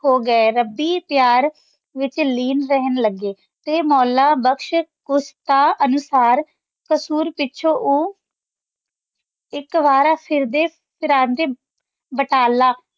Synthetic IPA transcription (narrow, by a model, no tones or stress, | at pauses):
hoːɡəeɾəbiːpjaːɾ | ʋɪt͡ʃliːnɾəɦənləɡːeː | t̪eːmɔːlaːbəkʃkʊst̪aːʔənʊsaːɾ | kəsuːɾpɪtːʃʰõːʔoː | ɪkʋaːɾaːpʰɪɾd̪eː | pʰɪɾãːnt̪eː | bəʈaːlaː